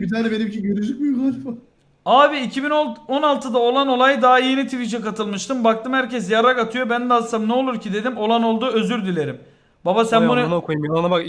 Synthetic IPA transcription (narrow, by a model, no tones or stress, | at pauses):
bit̪ʰaːnɛbe̞nimcʰiɟøɾyd͡ʒyc̚bjˠaɾfu | aːbiːcʰibino̞nalˠt̪ʰɯd̪ao̞lˠano̞lˠajd̪aɦajenit̪ʰivit͡ʃʰɛkat̪ʰɯlˠmɯʃt̪ʰɯmbak̚t̪ʰɯmhæɾcɛs̬jaɾakat̪ʰɯjo̞bænd̪asamnɛo̞lˠuɾcʰid̪e̞d̪imo̞lˠano̞lˠd̪uø̞zyɾd̪ilʲe̞ɾim | babasænbununaokʰujumnabak